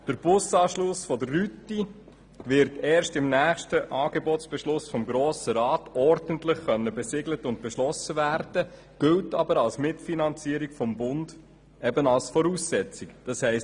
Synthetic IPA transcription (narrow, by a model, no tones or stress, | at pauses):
d̥əɾb̥ʊsɑːʃlʊsfɔdərːyti | ʋɪɾtɛːɾʃtɪmnæːχʃtəʔɑːɡ̥ebɔtsb̥ɛʃlʊsfɔmɡɾɔːsəɾɑːtɔɾdəntlɪχχœnːəbɛsɪɡlətʊnt̚b̥ɛʃlɔsəvæːɾd̥ə | ɡ̥ʏltɑbəɾɑlsmɪtfinɑnt͡siːəɾikfɔmbʊnd̥ | ɛbənɑlsfɔɾuːsɛt͡sikd̥ɑshɛɪs